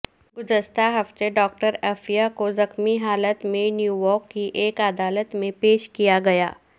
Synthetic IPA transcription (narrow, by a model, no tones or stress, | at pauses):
ɡʊzəʃt̪aɦɐft̪eɖɔːkʈəɾɛfijakozɐxmiɦaːlət̪mẽnjuːjɔːɾkːiʔeːkad̪aːlət̪mẽpeːʃkijaɡɐja̰ː